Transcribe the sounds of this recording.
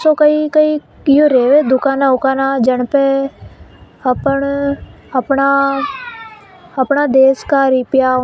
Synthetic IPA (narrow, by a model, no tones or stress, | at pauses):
soːkəikəi | joːɾeːʋeːd̪ʊkaːnãːʊkaːnaːd͡ʒəɳpe | əpəɳəpɳa | əpɳaːd̪eːskaːɾɪpjaː